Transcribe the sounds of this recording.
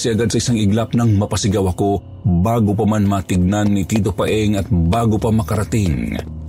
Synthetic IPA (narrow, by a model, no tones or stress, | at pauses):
sɛʔɐɡad̪sɐʔɪsaŋɪɡlap̚nɐŋmɐpɐsɪɡawɐko̞ | baːɡop̬ɐmanmat̪ɪɡ̚nanːit̪iːt̪opɐʔɛŋɐt̪̚baːɡopɐmɐkɐɾɐt̪ɪŋ